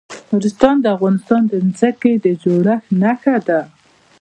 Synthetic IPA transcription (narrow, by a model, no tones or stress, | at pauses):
hoɾɪst̪ɑnd̪əafɣɑnɪst̪ɑnd̪ənzəked̪əd͡ʒoɽaxnaxad̪a